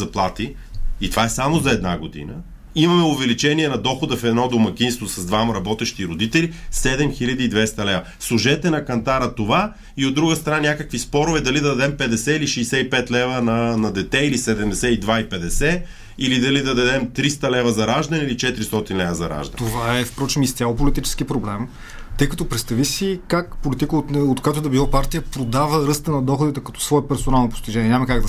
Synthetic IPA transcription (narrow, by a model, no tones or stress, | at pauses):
zɐplˠat̪iː | t̪ovaɛsamozɐɛd̪naɡod̪ḭnə̰ | imɐmɛʊvɛlit͡ʃɛniɛnɐd̪ɔxod̪ɐfɛd̪nɔd̪omɐk̟ʲinst̪vosɐzd̪vamɐɾɐbɔt̪ɛʃt̪iɾod̪it̪ɛlisɛd̪ɛmxilʲɐd̪iːd̪vɛst̪ɐlɛvɐ | slˠʊʒɛt̪ɛnɐkɐnt̪aɾət̪ova | iod̪ːɾuɡəst̪ɾɐnanʲakəkvispɔɾʊvɛd̪ɐlid̪ɐd̪ɐd̪ɛmpɛd̪ɛsɛiliʃɛjsɛipɛt̪lɛvɐnɐnɐd̪ɛt̪ɛilisɛd̪ɛmd̪ɛsɛid̪vaipɛd̪ɛsɛ | ilid̪ɐlid̪ɐd̪ɐd̪ɛmt̪ɾist̪ɐlɛvɐzɐɾaʒd̪ɐnɛilit͡ʃɛt̪ɾist̪ɔt̪inlɛvɐzɐ̰ɾa̰ʒd̪ɐ̰nt̪ovaɛfpɾɔt͡ʃɛmist̪ʲalˠopolit̪it͡ʃɛ̥sk̟ipɾoblɛm | t̪ɤjkɐt̪opɾɛt̪st̪ɐvisikakpolit̪ikəot̪ot̪koat̪od̪ɐbilˠapaɾt̪ijəpɾod̪avəɾɤst̪ənɐd̪ɔxʊd̪it̪ɛkɐt̪ɔ̥svɔɛpɛɾsonalˠnopo̥st̪iʒɛnɲʲɛɲʲamɐkaɡ̚d̪